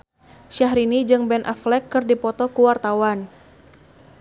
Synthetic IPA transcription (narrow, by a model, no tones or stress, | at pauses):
ʃaɦɾinid͡ʒɨŋbɛnʔa̰flɛkːɨrdipɔt̪ɔkuwart̪awan